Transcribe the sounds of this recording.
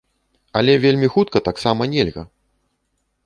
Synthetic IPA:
ɐlʲɛvʲelʲmʲixut̪̚kɐt̪aksamɐnʲɛlʲɣɐ̰

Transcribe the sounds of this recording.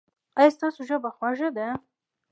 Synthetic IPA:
ajɑst̪ɑsoʒəbaxwaʒad̪a

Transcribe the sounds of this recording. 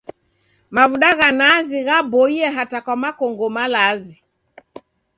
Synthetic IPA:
mavuɗaɣanaziɣabɔiɛɦatakwamakɔŋɡɔmalazi

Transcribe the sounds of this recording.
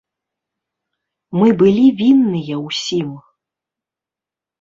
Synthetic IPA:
mɨbɨlʲivʲinːɨjɐwsʲim

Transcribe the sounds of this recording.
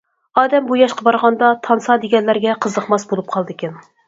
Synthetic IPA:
ɑːd̪ɛmbujɑʃqɑbɑɾʁɑnd̪ɑt̪ʰɑnsɑd̪eɡʲɛnlæɾɡʲɛqʰəzəχmɑsbolˠup̚qʰɑlˠd̪ɨkʲʰɪn

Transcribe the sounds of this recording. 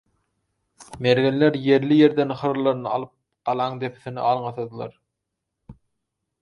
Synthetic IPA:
meɾɡenleɾje̞ɾlije̞ɾd̪enχɯɾlˠɑɾɯnɯɑlˠɯp̚ | qɑlˠɑŋd̪e̞pʰi̥θinḭʔɑlˠɴɑθɑd̪ɯlˠɑ̰ɾ

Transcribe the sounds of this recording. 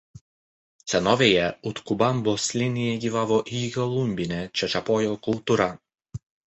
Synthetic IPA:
sʲɛnɔːʋʲeːjɛʊt̪kʊbaˑmboːsʲlʲɪnʲɪjɛɡʲiːʋaːʋoːʔikɔlˠʊmʲbʲɪnʲɛt͡ʃʲɛt͡ʃɐpoːjoːkʊlˠt̪uɾɐ

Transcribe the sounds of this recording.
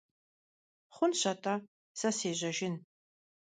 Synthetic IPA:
χʷʊnɕɐtʼɐ | sɐseːʑɐʒɪn

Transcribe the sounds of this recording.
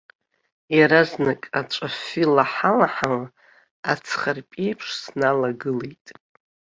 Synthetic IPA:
jaɾaznakʼat͡ʃʷʼafilaħalaħal | at͡sʰχarpʼe̞jpʰʂsnalaɡɨlejtʼ

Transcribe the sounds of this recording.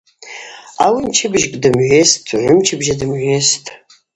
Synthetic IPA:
awimt͡ʃʰɨbʒkʼdɨmʕʷestʰʼuʕʷʊmt͡ʃʰɪbʒadɨmʕʷestʼ

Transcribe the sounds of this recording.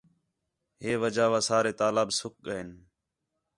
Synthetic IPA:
ɦeːʋəd͡ʒaːʋaːsaːɾeːt̪aːlaːbsʊk̚ɠəɪn

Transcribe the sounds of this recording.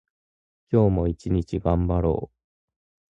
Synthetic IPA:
kʲo̞ːmo̞it͡ɕiɲ̟it͡ɕiɡãmbaɾo̞̰ː

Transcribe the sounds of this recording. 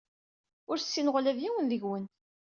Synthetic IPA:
ʊɾsːinʁlævjiwənðəʝwən

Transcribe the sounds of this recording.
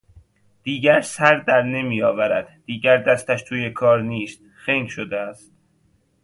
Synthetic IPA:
d̪̥iːɟæɾsæɾd̪æɾne̞mijɒːvæɾæd̪̥d̪̥iːɟæɾd̪æst̪æʃt̪ʰuːje̞kʰɒːɾniːst̪̚ | xejnʃod̪eæst̪̚

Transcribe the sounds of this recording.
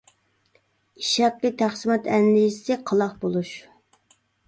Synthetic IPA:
iʃɑplɨt̪ʰæχsɨmɑt̪ɛnd̪ijsɪqʰəlˠɑχbolˠuʃ

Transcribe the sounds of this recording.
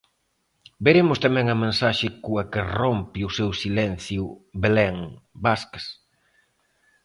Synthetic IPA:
beɾemʊst̪amɛ̃ŋɐmẽnsaʃɪkuɐkɪrompɪʊsewsilɛn̟θjʊbelɛŋbaskɐs

